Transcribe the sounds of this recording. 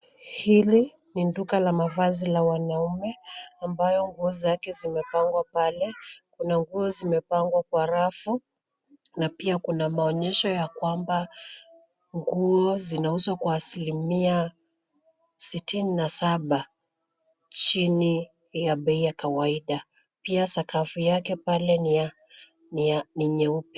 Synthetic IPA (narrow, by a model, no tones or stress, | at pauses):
hili | nindukalamavazilawanaumɛambajɔŋɡuɔzakɛzimɛpaŋɡwapalɛkunaŋɡuɔzimɛpaŋɡwakwaɾafu | napiakunamaɔɲɛʃɔjakwamba | ŋɡuɔzinauzwakwaːsilimia | sitininasaɓa | t͡ʃini | jaɓɛijakawaiɗa | piasakafujakɛpalɛnia | nianiɲɛupɛ